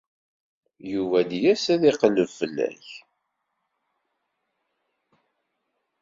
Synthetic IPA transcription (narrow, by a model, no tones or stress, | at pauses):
juvæd̪jæsæðɪqəlːəvfəlːæ̰ç